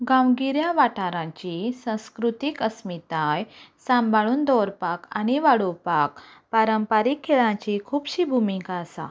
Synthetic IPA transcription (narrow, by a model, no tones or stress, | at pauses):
ɡãwɡiɾjaʋaʈaɾãt͡ɕisãw̃skɾut̪ikəsmit̪ajsãmbʱaɭuːnd̪ɔɾpakañiʋaɽopakpaɾəmpaɾikʰːeɭãt͡ɕikʰuːbɕiːbʱumĩkasa̰